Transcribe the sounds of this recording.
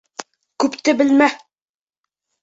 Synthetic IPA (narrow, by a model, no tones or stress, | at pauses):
kʉpt̪ɘbɘlmæ